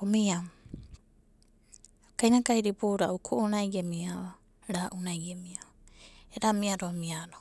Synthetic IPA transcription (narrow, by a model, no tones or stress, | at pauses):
omiam | kajnakajɾiboːɾaʔukʰoʔonajɡemiaa | ɾaːʔunajɡemia | eɾamiaɾoamiaɾo